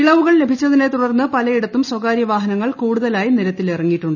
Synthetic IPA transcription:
kiɭɐʋuɣɐɭle̞bʱit͡ɕːɐðine̞t̪uɽɐrnːɨpɐlɐiɽɐt̪ːumswɐkaːɾjɐʋaːɦɐnɐŋːɐɭkuːɽuðɐlaːjiniɾɐt̪ːilirɐŋːiʈːuɳɖɨ

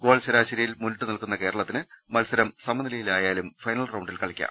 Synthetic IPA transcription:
ɡo̞ːɭɕɐɾaːɕɐɾijilmunʈːunilkunːɐke̞ːɾɐɭɐt̪ːinɨmɐlsɐɾɐmsɐmɐnilɐjilaːjaːlumfɐjnɐlrɐwɳɖilkɐɭɐkʲːa̰

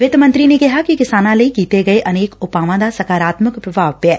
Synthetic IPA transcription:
ʋɪd̪mɐ̃nt̪ɾinekɪɦakikɪsaːnãləikiːt̪eɡɐeʔɐneːkʊpaːʋãd̪asɐkaːɾaːt̪məkpɾɐbʱaːʋpɛː

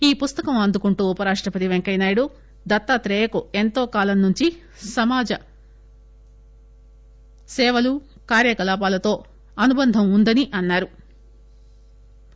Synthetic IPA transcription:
iːpust̪ɐkɐmɐnd̪ukuɳʈuːpɐɾaːʂʈɾɐpɐt̪iʋeŋkɐjnaːjɐɽu | d̪ɐt̪ːat̪ɾɛːjɐkue̞nt̪oːkaːlɐnːuɲt͡ʃi | sɐmaːd͡ʒɐ | sɛːʋɐlu | kaːɾjɐkɐlaːp̬aːlɐt̪o̞ː | ɐnubɐnd̪ʱɐmund̪ɐniʔɐnːaːɾu

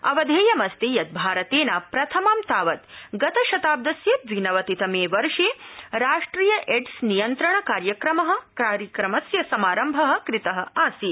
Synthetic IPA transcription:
ɐ̰ʋɐd̪ʱeːjɐmɐst̪eːjɐt̪̚bʱaːɾɐt̪eːnaːpɾɐt̪ʰɐmaːmt̪aːʋɐt̪ɡɐt̪ɐʃɐt̪aːb̚d̪ɐsjeːʋinɐʋɐt̪it̪ɐmeːʋɐɾʂeːɾaːʂʈɾiːjɐʔeɖsnijɐnt̪ɾɐɳɐkaːɾjɐkɾɐmɐɦɐ̆kɾaːɾjɐkɾɐmɐsjɐsɐmaːɾɐmbʱɐɦɐ̆kɾit̪ɐɦɐ̆aːsi

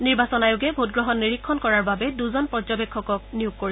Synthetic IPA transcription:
niɹbasɔnajʊɡɛbʱot̚ɡɹɔɦɔnːiɹikʰːɔnkɔɹaɹbabɛduzɔnpɔzɔbekʰːɔkɔk̚nijuɡ̚koɹi

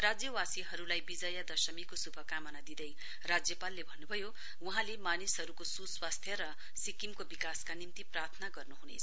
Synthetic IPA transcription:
rad͡zjʌwasiɦʌɾulajbid͡zʌjad̪ʌsʌmikosubʱʌkamʌnad̪id̪ʌj | rad͡zjʌpalːebʱʌnːubʱʌjo | uɦãlemanisɦʌɾukosuswast̪ʰjʌɾʌ | sikimkobikaskanimt̪iprart̪ʰʌnaɡʌrnuɦunḛt͡sʰʌ

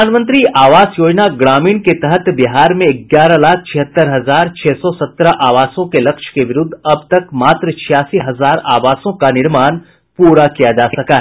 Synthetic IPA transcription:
anmə̃nt̪̬ɾiʔaːʋaːsjoːd͡ʒnaɡɽaːmiːnket̪ɛɦət̪bɪɦaːɾmẽɪɡjaːɾalaːk̚ʰt͡ʃʰɪɦət̪ːəɾɦɐzaːɾt͡ʃʰɛːsɔsɐt̪ːɾʔaːʋaːsõkelɐkʃkeʋɪɾʊd̪ʱːɐb̚t̪ɐkmaːt̪ɾət͡ʃʰɪjaːsiɦɐzaːɾaːʋaːsõkanɪɾmaːn | puːɾakijad͡ʒaːsɐkaɦɛ

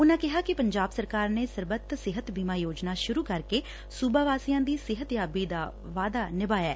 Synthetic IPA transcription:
ʊnãːkɪɦaːkɪpəɲd͡ʒaːbsəɾkaːɾneːsəɾbət̪ːsɪɦət̪biːmaːjoːd͡ʒnaːʃʊɾuːkəɾkeː | suːbaːʋaːsijãːd̪iːsɪɦət̪jaːbiːd̪aː | ʋaːd̪aːnɪbaːjaɛː

